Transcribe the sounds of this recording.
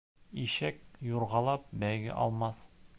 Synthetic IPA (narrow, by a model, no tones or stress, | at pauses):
iɕæk̚juɾʁɑlˠɑp̚bæjɡɘ̰ʔɒ̰lˠmɑθ